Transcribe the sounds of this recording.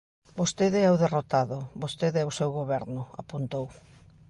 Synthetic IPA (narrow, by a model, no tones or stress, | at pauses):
bost̪eðɪɛwðerot̪aðʊbost̪eðɛwsewɣoβ̞ɛɾnʊa̰punt̪ow